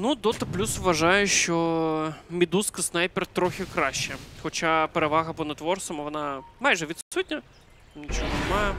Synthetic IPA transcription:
nud̪ɔt̪ɐplʲusʋʋɐʐɑjʊʃt͡ʃɔ | mʲid̪uskɐsnajpɛrt̪ɾɔxʲɪkɾɑʃʲːɛxɔt͡ʃapeɾeʋaɣɐpɔnɐt̪ʋɔrsɐmʋɔnɑmajʐɛʋʲit̪ssut̚ʲnʲɐ | nʲit͡ʃoɦɔnɪmɑjɛ

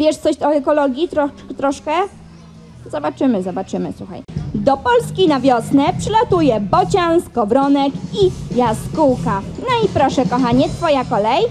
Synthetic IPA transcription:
vʲjɛʂt̪sɔɕɔɛkɔlɔɡʲjit̪ɾɔ | t̪ɾɔʂkɛ | zɔbat͡ʂɘmɘzɔbat͡ʂɘmɘ̰swuxa̰jd̪ɔpɔlskʲinavʲjɔsnɛpʂɘlat̪ujɛbɔt͡ɕanskɔvɾɔnɛkijaskuwkanɔipɾɔʂɛkɔxaɲɛt̪fɔjakɔlɛj

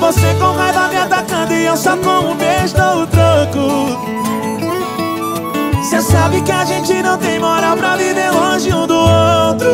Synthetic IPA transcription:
vosekõw̃ʁajvamẽat̪akɐ̃d̪ɪɐ̃wsɔkõmʊ̃beʒd̪oʊt̪ɾokʊ | sesabɪkɪaʒẽnt͡ʃɪnɐ̃w̃t̪ẽj̃moɾawpɾɐvivelõʒɪũd̪ʊowt̪ɾʊ

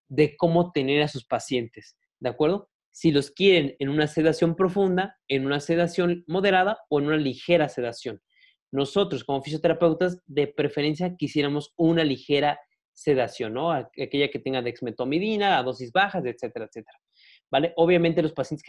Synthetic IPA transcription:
ðe̞ko̞mo̞t̪e̞ne̞ɾasuspasje̞nt̪e̞s | d̪eakwe̞ɾðo̞ | silo̞skje̞ɾe̞ne̞nũnase̞ðasjo̞mpɾo̞fũnd̪aenũnase̞ðasjo̞nmo̞ðe̞ɾaðaoenũnalixe̞ɾase̞ðasjo̞nː | o̞so̞t̪ɾo̞sko̞mo̞fis̬jo̞t̪eɾape̞wt̪azðe̞pɾe̞feɾe̞ns̬jakisje̞ɾamo̞sunalixe̞ɾa | se̞ðasjo̞nːo̞aake̞ʝake̞t̪e̞ŋɡaðeksme̞t̪omiðinaːðo̞s̬izβaxaset̪se̞t̪eɾaet̪se̞t̪eɾa | bale̞ʔo̞βjament̪̬elo̞spasjent̪es

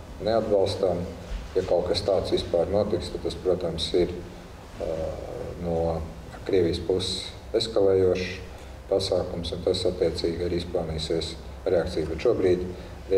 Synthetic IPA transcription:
nead̪̚bɑlˠst̪amjakaʊkast̪aːt̪sʋispaːɾnuɔt̪ikst̪ad̪t̪aspɾuɔt̪amsiɾ | nuɔ | kɾiɛʋijspuss | eskalˠɛːjuɔʃ | pasaːkumsunt̪asat̪ːiɛt̪siːɡaɾiisplˠaːniːsiɛs | ɾeak̚t̪siːjbɛt̪ʃuɔbɾiːd̪ | ɾ

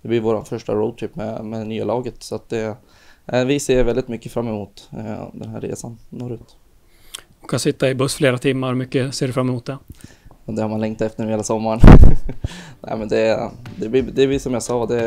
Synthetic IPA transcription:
d̪̥ɛblɪvoːɾa̰nfœʂʈa̰ɾoʊd̪̚tʰɪpːmɛ̰mɛnyːalɑːɡət̪sɔat̪̚d̪ɛ | vɪseːvɛld̪ɪt̪mʏkːəfɾamːɛmuːt̪d̪ɛnɦæ̰ɾːḛːsannːoːɾʉ̟ːt̪ | ɔkʰansɪt̪ːaɪbɵsːfleːɾat̪ʰɪmːaɾmʏkːəseːɖɵfɾamːɛmʊːt̪̚d̪ɛ | ɑd̪ɛhaɾmanlɛŋkt̪ɛft̪ənːheːlasɔmːaɳ | nɛ̰mɛnd̪ɛd̪ɛblɪd̪ɛblɪsɔmjasɑːd̪ɛ

